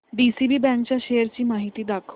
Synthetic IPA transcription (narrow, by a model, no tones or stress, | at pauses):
ɖisibibɛ̃nkt͡ɕaʃeɾt͡ɕiːmaɦit̪iːd̪akʰ